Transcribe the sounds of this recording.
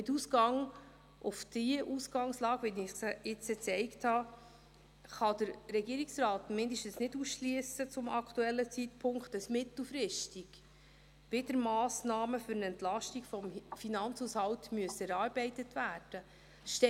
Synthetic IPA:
mɪtusɡɑŋ | ʔʊfd̥iʔusɡ̥ɑŋslɑːɡʋinɪχsɪt͡sət͡sɛɪkthɑ | χɑd̥əɾɾɛɡiːɾiksrɑːtmɪndəʃtən̩snɪduːsʃliəsət͡sʊmɑktuɛlːət͡sitpʰʊŋkχtəsmɪt̪l̩fɾɪʃtiɡ̥ | ʋɪdəɾmɑːsnɑːməfʏɾnɛntlɑʃtiɡfɔmfinɑnt͡shushɑwtmyəsəɛɾɑːɾbɛɪtətvæːɾd̥ə | ʃtɛ

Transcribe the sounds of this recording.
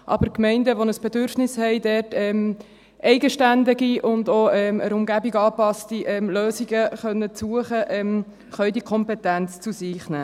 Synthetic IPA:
ʔɑ̰bəɾkmɛɪndəʋɔnəsb̥ɛdʏɾfnɪshɛɪdɛːtɛm | ʔɛɪɡəʃtændiɡiʔʊndoɛməɾʊmɡæbiɡɑːpɑstiʔɛmløːziɡəχœnːət͡suəχəʔɛm | χœʏdikʰɔmpɛtænt͡st͡susiːχnæː

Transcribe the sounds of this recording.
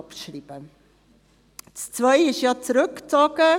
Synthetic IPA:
pʃriːb̥ə | t͡st͡svœɪɪʃjɑt͡sɾʏkt͡sɔɡə

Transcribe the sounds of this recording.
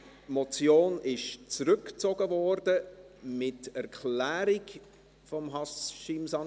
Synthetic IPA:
mɔt͡sjoːnɪʃt͡sɾʏkt͡sɔɡəvɔɾdə | mɪtɛɾkʰlæːɾik | fɔmɦɑsʃimsɑn

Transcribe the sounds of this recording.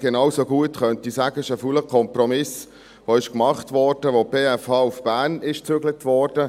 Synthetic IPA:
ɡ̥enɑːwsoɡuətχœntisæːɡəɪʃəfuləkʰɔmprɔmɪs | ʋoɪʃkmɑχtʋɔɾd̥əʋob̥eːɛfɑːufb̥æːɾnɪʃt͡søɡlətvɔːɾd̥ə

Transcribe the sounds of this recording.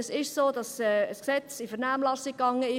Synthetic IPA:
əsɪʃsoːdɑsɛəsksɛt͡sifəʁnaːmlɑsɪkːɑŋəɪ

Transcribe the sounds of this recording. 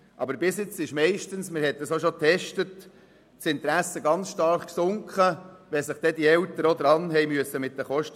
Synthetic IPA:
ʔɑ̰bəɾbɪsjɪt͡sɪʃmɛɪʃtənsmɪɾhɛt̪̚ːəsoʃotʰɛʃtət | sɪnt̪ɾæsːəɡɑnt͡sʃtɑɾχksʊŋkχəʋɛsəχd̥ɛdiɛltəɾɔd̪ɾɑnɦɛɪmyəsəmɪt̚dəχɔʃt

